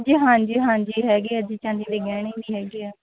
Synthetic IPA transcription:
d͡ʒiːɦãːd͡ʒiːɦãːɲd͡ʒiːɦɛːɡeaːd͡ʒiːt͡ʃãːnd̪iːd̪eːɡɛːɽeːdiːɦɛːɡeaː

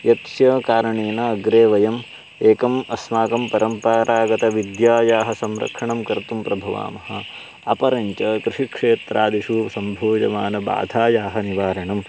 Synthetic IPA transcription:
jɐt̪sjɐkaːɾɐɳeːnɐːɡɾeːʋɐjɐm | eːkɐmɐsmaːkɐmpɐɾɐmpaːɾaːɡɐt̪ɐʋid̪jaːjaːɦɐsɐmɾɐ̰kʂɐɳɐmkɐɾt̪umpɾɐbʱɐʋa̰ːmɐɦɐ̆ | ɐpɐɾɐɲt͡ʃɐkɾɪʂikʂeːt̪ɾaːd̪iʃusɐmbʱuːd͡ʒɐ̰ʋaːnɐba̰ːd̪ʱaːjaːɦɐniʋaːɾɐɳɐm

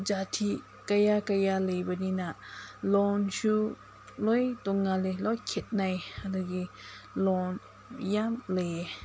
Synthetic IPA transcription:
d͡ʒat̪ʰi | kajakajalejbəninaʔlɔnsu | lɔjt̪ɔŋːalelɔjkʰet̪̚najadaɡilɔn | jamle

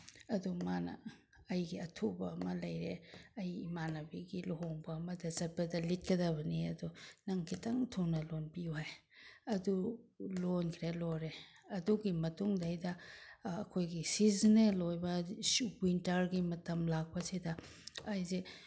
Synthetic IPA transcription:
ɐdumanɐ̰ | ɐjɡiɐtʰubɐːmɐlɐjɾeɐjimanɐbiɡiluɦoŋbɐːmɐdɐzɐt̚bɐdɐlit̚kɐdɐβɐniɐdunɐŋkʰitʰaŋtʰownɐlonpiuɦajɐdulonkʰɾeloɾeɐduɡimɐtuŋdːjdɐː | kʰojɡisiznelojbɐswintaɾɡimɐtɐmlak̚pɐsidɐː | jze

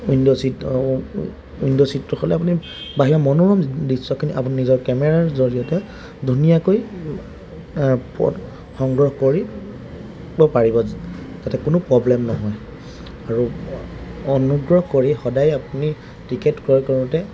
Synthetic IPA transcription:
indɔsi | indɔsitːʊxʰɔlɛap̬uni | baɦiɹɔmɔnuɹɔmdisːɔkʰiniʔapuninizɔɹkɛmɛɹaɹzoɹiɔtɛ | dʱunijakoj | pɔ̰t | xɔŋɡɹɔxkoɹi | bɔpaɹibɔtatɛkʊnʊpɹɔblɛmnɔɦɔj | aɹu | ɔnuɡɹɔhkoɹixɔdajapuni | tikɛtkɔkɔɹʊtɛ

